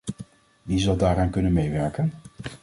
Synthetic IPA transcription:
ʋizɑlˠdaːɾaːnkɵnənmejʋɛɹkən

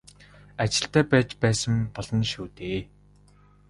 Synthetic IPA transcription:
at͡ɕɪ̆ɬt̪æːpæːt͡ɕpæːsə̆mpɔɮɞ̆nʃuːt̪eː

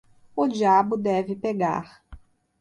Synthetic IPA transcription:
ʊd͡ʒiabʊd̪ɛvɪpeɡa̰ɾ

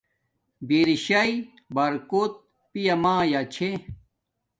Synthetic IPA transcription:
biːɾiɕɐi | bɐɾkot̪̚ | pijɐmãːjat͡ɕʰe

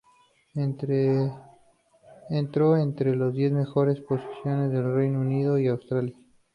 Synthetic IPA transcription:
ent̪ɾoent̪ɾelazðje̞zme̞xo̞ɾe̞spo̞si̥sjo̞ne̞zðe̞lrejnouniðo̞iawst̪ɾalja

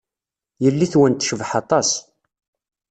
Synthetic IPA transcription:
jəlːiθwənt̪ʃəvəħɑt̪ˤɑs

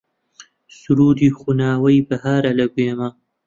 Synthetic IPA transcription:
suɾuːd̪ixunaːwɐjbɐhaːɾalɐɡujema

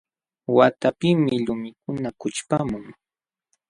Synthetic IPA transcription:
wat̪apɪmɪʎʊmɪkʊnakʊt͡ʃpamʊŋ

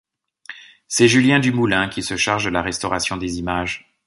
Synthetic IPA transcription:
sɛʒyljɛ̃d̪ymulɛ̃kʲisəʃaʁʒd̪əlaʁɛst̪ɔʁasjɔ̃d̪ezimaʒ

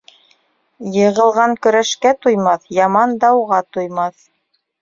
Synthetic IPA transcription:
jɤ̆ʁɤ̆lˠʁɑŋkɵ̆ɾæʃkæt̪ujmɑθjɑmɑnd̪ɑwʁɑt̪ujmɑθ

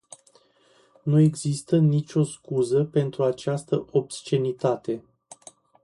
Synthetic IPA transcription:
nue̞ɡzist̪ənit͡ʃʲo̞skuzəpe̞nt̪ɾuat͡ʃast̪əʔo̞bst͡ʃe̞nit̪at̪e̞

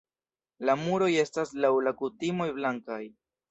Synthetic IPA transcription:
lamuɾo̞je̞staslawlakutimo̞jblaŋkaj

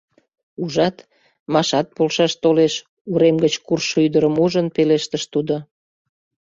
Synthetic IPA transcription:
uʒɑt̪ | mɑʃɑt̪̚polʃɑʃt̪oleʃ | uɾemɡət͡ɕkurʃyd̪əɾəmuʒənpeleʃt̪əʃt̪ud̪o

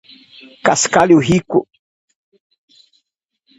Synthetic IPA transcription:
kaskaljuɦikʊ

